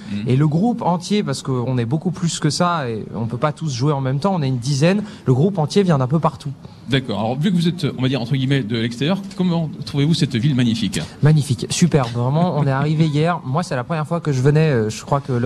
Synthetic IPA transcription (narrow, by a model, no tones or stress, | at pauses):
eləɡʁupɑ̃t̪jepaʁsə̥kəɔ̃nɛbokuplyskəsaeɔ̃pøpat̪usʒuweɑ̃mɛmt̪ɑ̃ɔ̃naynd̪izɛn | ləɡʁupɑ̃t̪jevjɛ̃d̪ɛ̃p̬øpaʁt̪u | d̪akɔ̰ʁalɔ̰ʁvykəvuzɛt̪ɔ̃vad̪iʁɑ̃t̪χəɡʲimɛd̪əlɛkst̪eʁjœʁkɔmɑ̃t̪χuvevusɛt̪vilmaɲifikmaɲifiksypɛʁbvʁɛmɑ̃ɔ̃nɛaʁiveijɛʁmwasɛ̥t̪ɛlapχəmjɛʁfwakəʒəvənɛøʒəkχwakəl